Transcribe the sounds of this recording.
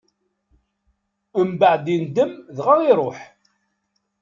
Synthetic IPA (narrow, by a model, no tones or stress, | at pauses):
əmbəʕd̪ind̪əmðʁɑɾiɾˤoħ